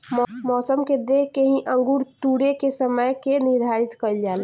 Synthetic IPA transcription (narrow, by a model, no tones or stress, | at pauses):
mɔːsəmked̪ekeɦĩʔə̃ŋɡuɾt̪uɽekesəməjkeniɾd̪ʱaɾit̪kəld͡ʒal